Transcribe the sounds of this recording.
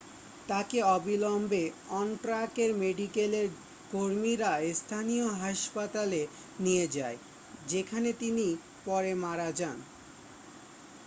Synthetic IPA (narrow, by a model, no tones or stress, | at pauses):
t̪akeɔbilombeɔnʈɾakeɾmeɖikeleɾ | koɾmiɾaest̪ʰanijoɦaʃpat̪ale | nied͡ʑae | d͡ʑekʰanet̪ini | pɔɾemaɾad͡ʑan